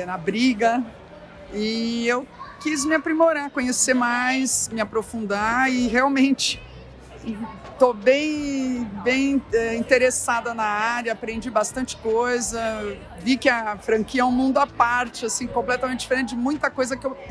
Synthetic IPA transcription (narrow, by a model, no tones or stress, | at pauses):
nɐbɾiɡɐ | ɪewkizmɪapɾimoɾakõɲeseɾmajsmɪapɾofũnd̪aɪɦeawmẽnt͡ʃɪ̥ | t̪obẽj̃bẽj̃ɛĩnt̪eɾesad̪ɐnɐaɾjɐapɾẽnd͡ʒibast̪ɐ̃nt͡ʃɪ̥kojzɐ | vikɪɐfɾɐ̃kiɐɛʊ̃mũnd̪ʊapaɾt͡ʃɪasĩkõplɛt̪ɐmẽnt͡ʃɪd͡ʒ̥ɪfeɾẽnt͡ʃ̪ɪd͡ʒɪmũj̃t̪ɐkojzɐkew